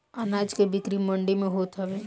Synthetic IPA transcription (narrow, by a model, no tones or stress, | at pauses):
anaːd͡ʒkebɪkɾimə̃ɳɖimẽɦoːt̪ɦɛʋeː